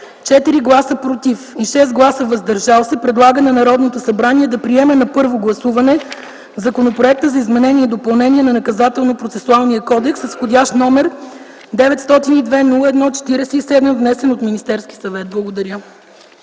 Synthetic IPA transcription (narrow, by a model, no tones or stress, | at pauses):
t͡ʃɛt̪iɾiɡlˠasəpɾot̪ifiʃɛst̪̚ɡlˠasəvɐzd̪ɐɾʒalˠsɛpɾɛd̪lˠaɡənɐnɐɾɔd̪not̪osɐbɾaniɛd̪ɐpɾiɛmɛnɐpɤɾvoɡlˠɐsuvɐnɛ | vzɐkonopɾoɛk̚t̪əzɐizmɛnɛniɛd̪opɐlˠnɛniɛnɐnɐkɐzat̪ɛlˠnopɾot̪sɛsualˠnijəkɔd̪ɛksəsxodʲaʃt̪nɔmɛɾ | d̪ɛvɛt̪st̪ɔt̪inid̪vɛnulˠəɛd̪nɔt͡ʃɛ̥t̪iɾɛsɛisɛd̪məvnɛsɛnot̪minist̪ɛɾskʲi̥sɐvɛt̪̚blˠɐɡod̪ɐɾʲə